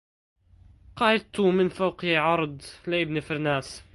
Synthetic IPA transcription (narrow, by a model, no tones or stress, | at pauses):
qɑət̪ːumənfawqjiʕɑɾˤd̪ˤlæəbnifəɾnæs